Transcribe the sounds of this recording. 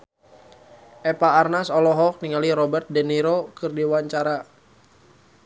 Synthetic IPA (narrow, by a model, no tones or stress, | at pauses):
ʔɛpaːrnasɔlɔɦɔk̚niŋaliɾɔbɛrt̪̚dɛniɾokɨrdiwaɲt͡ʃaɾa